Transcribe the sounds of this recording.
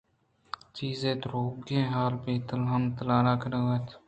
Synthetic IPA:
t͡ʃiːzẽːd̪ɾoːɡẽːɦaːlpeːt̪əlɦəmt̪əlaːɾaːkʰɾəɡət̪ʰ

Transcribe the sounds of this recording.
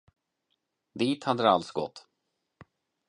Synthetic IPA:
d̪iːt̪had̪ːəd̪ɛalt̪sɡɔ̰t̪ː

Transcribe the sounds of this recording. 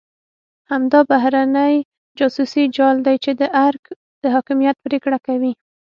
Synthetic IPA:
hamd̪ɑbaɦɾanəj | d͡ʒɑsusid͡ʒɑld̪ajt͡ʃed̪əʔaɾk | d̪̥əɦɑkɪmijat̪̚pɾekɽakawi

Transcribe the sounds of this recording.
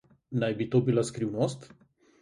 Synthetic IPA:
najbit̪oːbilaskɾiwnost̪

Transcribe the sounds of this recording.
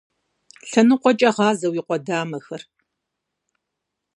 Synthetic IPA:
ɬɐnɨqʷɔt͡ʃʼɐʁɑːzɐwiːqʷɔdaːmɐxɐr

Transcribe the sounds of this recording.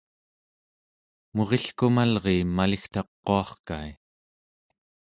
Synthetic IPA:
mo̞ʁeɬkumalʁeːmalixt̪ɑqːoɑχka̰j

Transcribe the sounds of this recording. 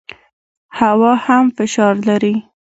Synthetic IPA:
hawɑhamfɪʃɑɾlaɾi

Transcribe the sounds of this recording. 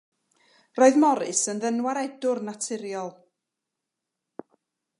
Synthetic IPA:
roːɨðmɔɾɨsənðənwaɾɛdʊrnatʰɪɾjɔlˠ

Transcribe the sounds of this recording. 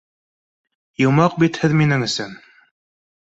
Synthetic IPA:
jɤ̆wmɑq̚bit̪hɘðminɘŋɘ̆sɘn

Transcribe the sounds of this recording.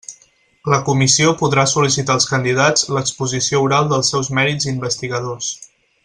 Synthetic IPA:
ləkumisiopuðɾasulisit̪aəlˠskənd̪iðad͡zləkspuzisiouɾalˠd̪əlˠsɛwzmɛɾid͡zimbəst̪iɣəðos

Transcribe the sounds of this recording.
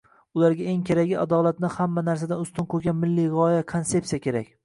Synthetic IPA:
ʊlaɾɡʲae̞ŋkʲʰeɾaɡʲɪad̪ɒlˠat̪nɪhamːanaɾsad̪anʊst̪ɪnkʰɵɾɡʲanmɪlːijʁɒjakʰonse̞psijakʲe̞ɾakʲ

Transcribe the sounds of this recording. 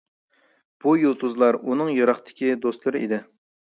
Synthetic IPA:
b̥ujulˠt̪ʰuzlˠɑɾunɨŋjɑɾɑχt̪ʰɪ̥kʲid̪ost̪lˠɨɾɨʔḭd̪ɪ

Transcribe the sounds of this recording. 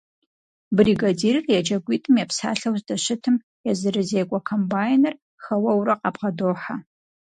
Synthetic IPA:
briɡadiːrɨrjɛd͡ʒɐɡʷiːtʰʼɨmjɛpsa̰ːɬɐwzdɐɕɪtʰɨm | jɛzɨɾɨzeːɡʷʼɐkʷʰombaːjnɨr | xɐwɐwrɐqɑbʁɐdoːħa

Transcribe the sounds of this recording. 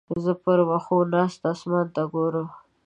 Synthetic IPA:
zəpəɾwaxonɑst̪asmant̪aɡoɾə

